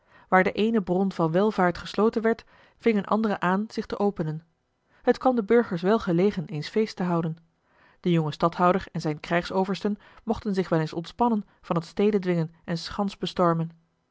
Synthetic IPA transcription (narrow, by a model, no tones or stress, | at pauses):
ʋaːɹdəʔejnəbrɔnvɑnʋɛlˠvaːɹtχəslowtənʋɛɹt | v̥ɪŋənʔɑ̰ndərəʔaːnz̥ɪχtəʔowpənən | hətkɑndəbɵɹχəɹsʋɛlˠχəlejχənejnsfejstəɦʌwdən | d̥əjʊŋəstɑtɦɑwdəɹɛnzɛjnkrɛjχsowvəɹstən | mɔχtənzɪχʋɛlˠensɔntspɑnən | v̥ɑnətstejdədʋɪŋənʔɛnsχɑnzbəstɔɹmən